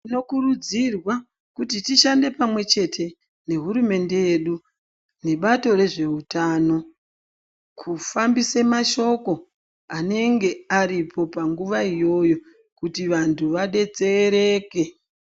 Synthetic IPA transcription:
ino̞kuɾud͡zirwa | kutitiʃande̞pamwe̞t͡ʃe̞tʰe̞ | ne̞ɦuɾume̞nde̞jeɗu | ne̞ɓato̞ɾe̞ʐe̞utaːno̞ | kʰufambisemaʃo̞ko̞ | ane̞ŋɡe̞aɾipʰo̞paŋɡuʋaijo̞jo̞ | kutiʋantʰuʋaɗe̞d͡ze̞ɾe̞ke

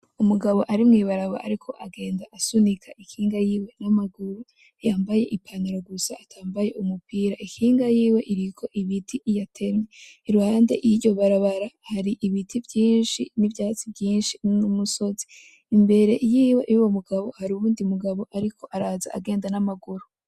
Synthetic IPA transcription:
umuɡaβo̞ʔaɾimŋiːβaɾaβa̰ʔa̰ɾikʰo̞ʔaɡe̞ːndaʔasunikʰaʔikʰiːŋɡajiːwe̞namaɡuɾu | jaːmbaje̞ʔipʰaniɾo̞ɡusaːtʰaːmbaje̞umupiːɾaʔikiːŋɡajiːwe̞ʔiɾikʰo̞ʔiβitʰiʔijatʰe̞ɾŋeiɾuhaːnde̞̰ʔiɾɟo̞βaɾaβaɾahaɾiʔiβitʰivjiːnʃinivjaːt͡sivjiːnʃinumuso̞zi | imbe̞ɾe̞jiːwe̞ʔijuwomuɡaβo̞haɾiuβuːndiumuɡaβo̞ʔaɾikʰo̞ʔaɾaːzaaɡe̞ːndanamaɡuɾu

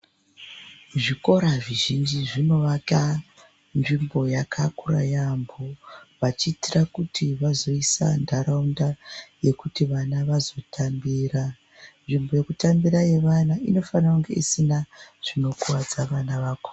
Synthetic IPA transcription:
ʐiko̞ɾaʐiʒind͡ʒiʐino̞ʋaka | nʐimbo̞jakʰakura̰jambuʋat͡ʃiːtirakutʰiʋazo̞isa̰ndʱaɾaundaje̞kutiʋanaʋazo̞tʰambiːra | nʐimbo̞je̞kutambiɾaje̞ʋanaino̞fanrakuŋɡe̞isinaʐ̥ino̞kuwad͡zaʋanaʋaːko

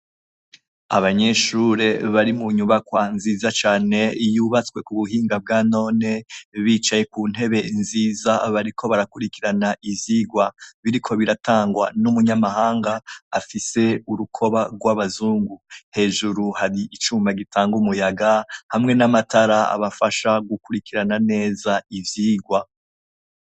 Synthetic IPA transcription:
a̰βaɲe̞ʃuɾe̞βaɾimuɲuβakwanziːzat͡ʃaːne̞juːβat͡skwe̞kuβuɦiːŋɡab̚ɡano̞ːne̞βiːt͡ʃaje̞kuːn̥he̞βe̞nziːzaβaɾikʰo̞βaɾakuɾikiɾanaʔiziɡwaβiɾikʰo̞βiɾataːŋɡwa̰numuɲamahaːŋɡaːfise̞uɾukʰo̞βaɡwaβazuːŋɡuhe̞ːʒuɾuhaɾiʔit͡ʃuːmbaɡitʰaːŋɡumujaɡahamŋe̞namataɾaa̰βafaʃaɡukuɾikiɾanane̞ːzaivjiːɡwa

